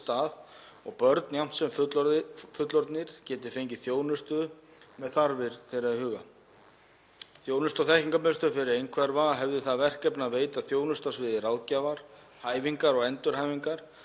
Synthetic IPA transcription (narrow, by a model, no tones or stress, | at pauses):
t̪aːð | ɔɣpœɾt̪njam̥t̪sɛmfʏt̪lɔɪfʏt̪lɔɾt̪nɪɾ̥cɛːt̪ɪ̥fejɲcɪθjoːwnʏst̪ʏðʏ | mɛðθaɾvɪɾ̥θejɾaðhʏːɣa | θjoːwnʏst̪ɔθɛhciŋkamɛnst̪ʏɾfɪɾɪɾejnkʰvɛɾvaːɦɛvðʏθaðvɛr̥cɛpnaveːjt̪aθjoːwnʏst̪asvɪðɪrawðcavaɾ̥ | haːjviŋkaɾɔɣɛnt̪ʏɾ̥ɦaːjviŋkaɾ̥